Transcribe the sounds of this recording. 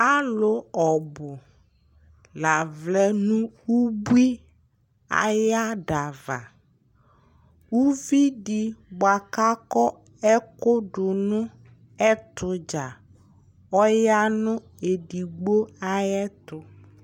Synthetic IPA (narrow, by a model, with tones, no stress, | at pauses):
a˦lʊ˨ɔ˨bʊ˨ | la˨vlɛ˦nũ˦wu˦bu˦i˦ | a̰˨ja˦ɖa˨va̰˨ | wu˦vi˦ɖi˨bʊ˨a˨ka˦kɔ˦ | ɛ˦kʊ˦ɖʊ˨nʊ̃˦ | ɛ˦t̪ʊ˨d͡ʒa˨ | ɔ˦ja˦nʊ̃˦ | e˨ɖi˨ɡ͡bo˦a˦jɛ˦t̪ʊ˨